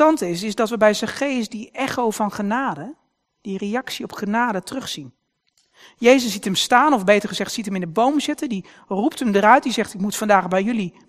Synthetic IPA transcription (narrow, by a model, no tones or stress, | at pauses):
ɑntɪsɪzdɑtʋəbɛjzəχejsdiɛχowvɑnχənaːdə | d̥irejɑksiɔpχənaːdətrɵχsin | jejzəszitəmstaːnɔvbejtəɹχəzɛχtsitɦəmɪndəbowmzɪtəndi | ruptəmdəɾœɥt̚dizɛχtɪkmutfɑndaːχbɛjɵli